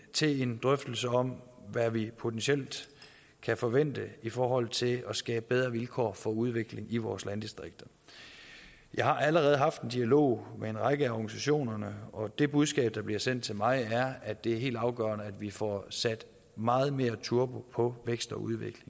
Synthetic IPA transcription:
t͡sʰe̝e̝nd̥ʁœfd̥l̩səɒ̽mʋæʋipʰo̝t͡sʰensiel̰d̥ | kʰæfɒ̽ʋen̰d̥əifɒːɦɒ̽l̰t͡sʰe̝lɒ̽sɡ̥ɛ̰ːb̥əbeðˠʁɐʋilkʰɒ̰ːfɒ̽uð̞ˠʋe̝ɡ̥le̝ŋiʋɒːslænd̥isd̥ʁeɡ̥̚d̥ɐ | jɑ̈ɪhɑ̈ʔæləʁɛːð̞̩ˠɦɑ̈fd̥end̥iælo̝̰ʊ̰mee̝nʁɑ̈ɪɡ̥əæɒɡ̥ænisæɕo̝̰ːnɐnəɒ̽d̥e̝b̥uð̞ˠsɡ̥ɛ̰ːb̥̚d̥ɑ̈b̥liɐsen̰d̥̚t͡sʰe̝lmɑ̈ɪæɐæ̥e̝æɐɦe̝̰ːld̥ɑ̈ʊɡ̥œ̰ːɐnəæd̥ʋifɒsæd̥ | mɑ̈ːð̞̩ˠme̝ːɐt͡sʰuɐb̥opʰɒ̽ʋeɡ̥sd̥ɒ̽uð̞ˠʋeɡ̥le̝ŋ

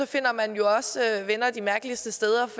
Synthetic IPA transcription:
ɒ̽fe̝n̰ɐmænjo̝ɒ̽sʋenɐd̥imæɐɡ̥lisd̥əsd̥eːð̞ˠɐ

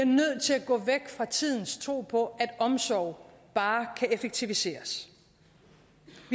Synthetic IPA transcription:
iɐnøð̞̰ˠt͡sʰe̝læɡ̥ɔ̰̽ːʋeɡ̥fʁɑ̈t͡sʰið̞̰ˠn̩st͡sʰʁo̝̰ːpʰɒ̽ʔæd̥ɒ̽msɒʊ̰b̥ɑ̈ːkʰæʔefeɡ̥̚t͡sʰiʋise̝̰ːɐs | ʋi

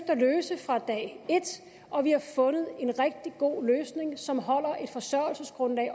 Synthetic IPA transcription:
fd̥ɐløːsəfʁɑ̈d̥ɛ̰ːe̝d̥ | ɒ̽ʋihɑ̈fɔ̽nəð̩ˠe̝nʁɛɡ̥̚d̥iɡ̥o̝̰ːløːsne̝ŋsɒ̽mɦɒ̽l̰ɐʔe̝d̥fɒ̽sɶɐ̰l̩səsɡ̥ʁɔ̽nlɛ̰ː

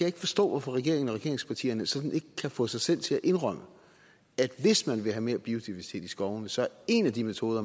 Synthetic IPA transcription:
æjeɡ̥fɒ̽sd̥ɔ̰̽ːʋɒfɒʁɛɡe̝̰ɐeŋn̩ɒʁɛɡe̝ɐ̰eŋspʰɑ̈t͡sʰḭːɐnəsɒ̽d̥n̩e̝ɡ̥əkʰæfɔ̽ːsɑ̈ɪsel̰t͡sʰe̝æʔe̝nʁœm̰ə | æd̥ʋe̝smænʋe̝ɦæme̝ːɐb̥io̝d̥iʋæɐsi̥t͡sʰe̝̰ːd̥isɡ̥ɒʊnəsɒ̽æɐe̝næd̥imet͡sʰo̝ːðˠɐ

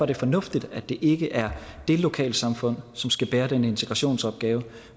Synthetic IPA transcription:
ɒɐɾ̥e̝fɒ̽nɔ̽fd̥id̥æ̥e̝ʔe̝ɡ̥əʔæɐd̥e̝lo̝kʰɛ̰ːlsɑ̈mfɔ̽n̰sɒ̽msɡ̥æb̥eːɐd̥enəe̝nt͡sʰeɡ̥ʁɑ̈ɕo̝̰ːnsɒ̽b̥̚ɡ̥ɛːʊə

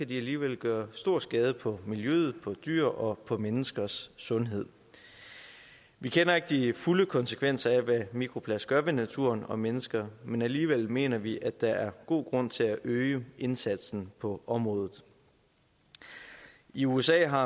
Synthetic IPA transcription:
kæd̥iæliːʋel̰ɡ̥ɶːɐsd̥o̝ɐ̰sɡ̥ɛːð̞ˠəpʰɒ̽miljøð̞̩ˠpʰɒ̽d̥y̰ɐ̰ʔɒ̽pʰɒ̽menəsɡ̥ɐsːɔ̽nɦe̝ð̞̰ˠ | ʋikʰenɐe̝ɡ̥əd̥ifuləkʰɒ̽nsə̥kʰʋen̰sɐæʋæmikʰʁo̝pʰlæsɡ̥ɶɐʋe̝næt͡sʰṵɐ̰nɒ̽menəsɡ̥ɐmenæliːʋel̰me̝̰ːnɐʋiʔæd̥ɑ̈æɐɡ̥o̝̰ːɡ̥ʁɔ̽n̰t͡sʰe̝læʔøɪəʔe̝nsæd̥sn̩pʰɒ̽ʔɒ̽mʁɔ̽ːðˠð̩ˠ | iuesɛ̰ːɦɑ̈

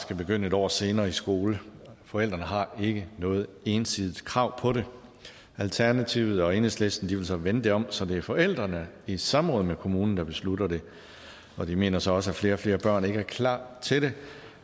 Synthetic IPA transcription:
sɡ̥æb̥e̝ɡ̥øn̰əe̝d̥ɒ̰ːse̝ːnɐːisɡ̥o̝ːləfɒ̽el̰d̥ʁɐnəɦɑ̈e̝ɡ̥ənɔ̽ːð̞̩ˠe̝ːnsið̩ˠkʰʁɑ̈ʊ̰pʰɒ̽ɾe̝ | ælt͡sʰæɐnæt͡sʰiʊ̰ð̞̩ˠɒ̽e̝nesle̝sd̥n̩d̥iʋe̝lsɒ̽ʋenəd̥e̝ɒ̽m̰sɒ̽d̥e̝æɐfɒ̽el̰d̥ʁɐnəisɑ̈mʁɔ̽ːðˠmekʰo̝muːnn̩d̥ɑ̈b̥e̝sluɾɐd̥e̝ | ɒ̽d̥ime̝̰ːnɐsɒ̽ɒ̽səæfle̝ːɐɒfle̝ːɐb̥ɶɐ̰ne̝ɡ̥əæɐkʰlɑ̰̈ːt͡sʰe̝de̝

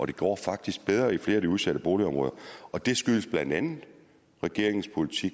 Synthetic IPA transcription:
ʔɒ̽ɾ̥e̝ɡ̥ɒ̰ːfɑ̈ɡ̥̚d̥isɡ̥̚b̥eðˠʁɐifle̝ːɐæd̥iuð̞ˠsæɾəb̥o̝ːliɒ̽mʁɔ̽ːðˠɐɒ̽d̥e̝sɡ̥yləsb̥lænd̥ænð̩ˠ | ʁɛɡ̥e̝ɐ̰e̝ŋspʰo̝lit͡sʰiɡ̥

